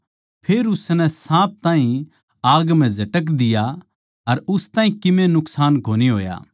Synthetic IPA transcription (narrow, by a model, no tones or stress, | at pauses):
pʰeːɾʊsnɛsãːp̚t̪ãːɦĩ | aːɡm̤ɛ̃zɐʈək̬d̪ɪja | ɐɾʊst̪aːɦĩkɪmẽnʊksaːnkoːniɦo̰ːja̰ː